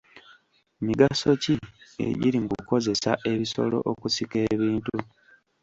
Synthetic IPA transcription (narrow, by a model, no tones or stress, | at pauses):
miɡaso̞ciḛɟiɾiŋɡuko̞ze̞saʔe̞βiso̞̰lo̞̰ʔokusike̞ːβiːntu